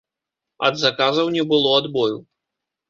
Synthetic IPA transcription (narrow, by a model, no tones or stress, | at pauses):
ɐ̰d̪zakazɐwnʲɛbɨlˠɔad̪bɔju